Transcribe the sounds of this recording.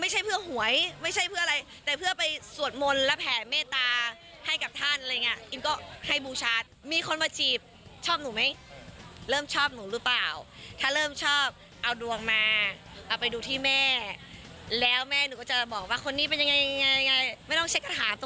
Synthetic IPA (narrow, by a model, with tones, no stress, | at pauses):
ma˥˩jt͡ɕʰa˥˩jpʰɯ˥˩ɐhu˨˩˦əjma˥˩jʰa˥˩jpʰɯ˥˩ɐʔa˧ɾa˧jt̪ɛː˨˩pʰɯ˥˩ɐpa˧jsu˨˩ən̚mo˧nlɛ˦˥pʰɛː˨˩tmɛː˥˩t̪aː˧ | ha˥˩jka˨˩p̚t̪ʰa˥˩nʔa˧ɾa˧jŋːi˦˥ɐʔi˧nkɔː˥˩ha˥˩jbuː˧t͡ɕʰaː˦˥˩t̪̚miː˧kʰo˧nwaː˧t͡ɕʰiː˨˩p̚ | t͡ɕʰɔː˥˩p̚nuː˩˦ma˦˥j | ɾɤː˥˩mt͡ɕʰɔː˥˩p̚nuː˩˦ɾɯ˦˥plaː˨˩wt̪ʰaː˥˩ɾɤː˥˩mt͡ɕʰɔː˥˩p̚ | ʔa˧wdu˧əŋmaː˧ʔa˨˩pa˧jduː˧t̪ʰiː˥˩mɛː˥˩ | lɛː˦˥wmɛː˥˩nuː˨˩˦kɔː˥˩t͡ɕa˨˩bɔː˨˩k̚waː˥˩kʰo˧nːiː˦˥˩pe˧nja˧ŋa˧jŋa˧ja˧ŋa˧jma˥˩jt̪ɔ˥˩ŋt͡ɕʰa˦˥kːa˧˩t̪ʰaː˩˦nt̪o˧